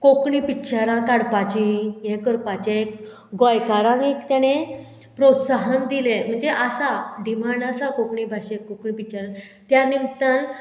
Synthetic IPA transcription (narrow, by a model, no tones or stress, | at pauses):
kokɳipitːɕaɾãkaɽpat͡ɕĩjɛ̃kəɾpat͡ɕẽek | ɡɔjkaɾãŋɡekt̪jane | pɾot̪saɦənd̪ilem̤əɳd͡zeʔasaɖimaɳɖasakokɳibʱaɕekokɳipit͡ɕaɾã | t̪janimt̪an